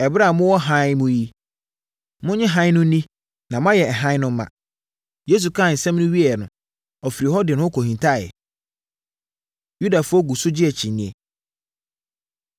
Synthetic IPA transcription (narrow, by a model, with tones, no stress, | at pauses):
ɛ˨bɾa˦˨mʊ̃˦wɔ˦ɦã˦mʊ̃˦ji˦ | mʊ̃˦ɲɪ̃˦ɦã˦ɪ˦nʊ̃˦nĩ˦ | nã˨mʊ̃˦a˦jɛ˨ɛ˨ɦã˦nʊ̃˦m˦mːã̰˨ | je˦s̬u˨kʰa˦˨n̩˨sɛ̃˦m˦nʊ̃˦ɥi˦ɛ˨nʊ̃˨ | ɔ˨fi˨ɾi˨hɔ˦dɪ˨nʊ̃˦ɔ˦kʰo˨ɦĩ˨ntʰa˦˨ɛ̰˨ | ju˦da˨fʊ˦ɔ˦ɡu˨sʊ˦d͡ʑɪ˦ɛ˨t͡ɕʰĩ˨nɪ̃˨˦ɛ˨